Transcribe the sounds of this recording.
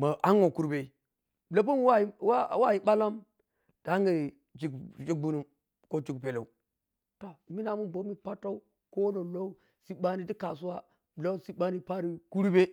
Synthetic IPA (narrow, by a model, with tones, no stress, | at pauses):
ma˨ʔa˦ŋ˦o˨ku˦ɾbe˨ | la˦p̬u˦m˦wa˦wa˦˨˦wa˦ji˨ɓa˦la˦m | d̥a˨˦ŋɡa˨ | d͡ʒi˨ɡd͡ʒi˦k̚bu˦nu˦m | ko˦d͡ʒi˨kpe˨la˨u˨ | to˨mi˦na˨mu˦bo˨˦mi˦pa˦ta˦u˦ | ko˦lo˨lo˦u˦ | si˦ɓa˦ni˦ti˦ka˨su˦wa˦ | lo˦si˦ba˦ni˦pa˦ɾi˦ku˦ɾu˦be˦